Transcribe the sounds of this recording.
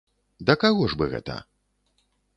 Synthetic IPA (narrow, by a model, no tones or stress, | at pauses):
d̪ɐkaɣɔʐbɨɣɛ̰t̪ɐ̰